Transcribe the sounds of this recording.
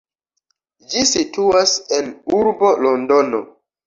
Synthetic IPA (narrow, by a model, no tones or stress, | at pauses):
d͡ʒisituasenuɾbo̞londono̰